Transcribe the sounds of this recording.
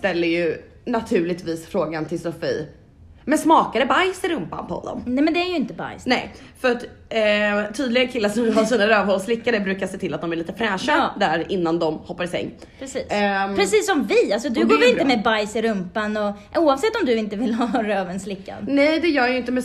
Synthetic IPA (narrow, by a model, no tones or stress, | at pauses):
st̪ɛlːəjɵ | nat̪ʰʉ̟ːlɪt̪viːsfɾoːɡant̪ʰɪlsɔfḭː | mɛnsmɑːkad̪ɛbajsɪɾɵmpa̰npʰɔhɔ̰nːɔ̰mnɛmɛnd̪ɛæɾjɵɪnt̪əba̰jsnɛ̰j | fœɾaʈ | t̪ʰyːd̪lɪɡənkʰɪlːaʂɔmvɪlɦaʂsiːnaɾøːvhɔlslɪkːaɾəbɾʉ̟ːkaʂseːt̪ʰɪlːat̪d̪ɔmæɾɭiːt̪əfɾæːʂad̪æɾɪnːand̪ɔmhɔpːaɾɪsɛ̰ŋː | pɾɛsiːspɾɛsiːsːɔmvɪalsɔd̪ɵɡoːɾvɪlɪnt̪əmɛbajsɪɾɵmpanɔ | uːɑvsɛt̪ːɔmd̪ɵɪnt̪əvɪlɦɑɾøːvənslɪkːa̰nnɛjd̪ɛjœːɾjəɪnt̪əmɛ